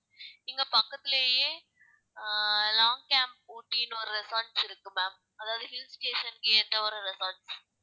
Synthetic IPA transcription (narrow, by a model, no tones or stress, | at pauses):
ɪŋɡɐpɐkːɐt̪ːɪleːjeː | laːŋɡkaːmp̚ːuːʈːinːɔɾɯɾɪsaːɾʈsɪɾɯkːɯmaːm | ɐðaːʋðɯɦɪlːsʈeːʂɐnkeːʈ̪ːɐɔɾɯɾɪsaːɾʈs